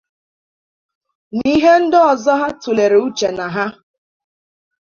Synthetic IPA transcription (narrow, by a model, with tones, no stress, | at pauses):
ni˦ɦe˦n̩˦dɪ˦ɔ˨zɔ˦ɦa˦tu˨le˨ɾe˨u˦t͡ʃe˨na˨ɦa˦